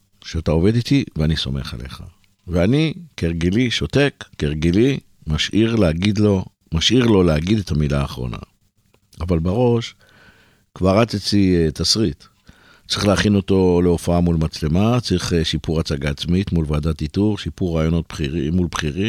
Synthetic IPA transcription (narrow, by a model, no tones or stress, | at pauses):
ʃeatao̞ve̞d̪it̪iveaniso̞̰me̞̰χa̰le̞̰χa | veanikeʁɡeliʃo̞te̞kːeʁɡeli | maʃʔiʁleaɡid̪lo̞ | maʃʔiʁlo̞leaɡid̪etʰamilaːχʁo̞̰na̰ | avalbaʁo̞ʃ | kvaʁat͡sit͡sitʰasʁit | t͡sʁiχleaχino̞to̞leofaamulmat͡sle̞mat͡sʁiχeʃipuʁat͡saɡaːt͡smitmulvaːdatituʁʃipuʁaːjo̞no̞t̚iimulbχiʁi